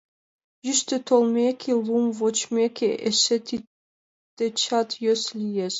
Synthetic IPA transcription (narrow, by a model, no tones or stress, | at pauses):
ʒyʃt̪øt̪ʰolˠmʲekʲʰilˠumvot͡ɕmʲekʲeʔeʃet̪i | t̪et͡ɕɑt̪jøslʲijeʃ